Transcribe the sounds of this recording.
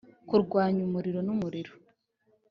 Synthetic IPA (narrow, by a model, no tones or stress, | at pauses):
kuɾɡwaːɲumuɾiɾo̞numuɾiɾo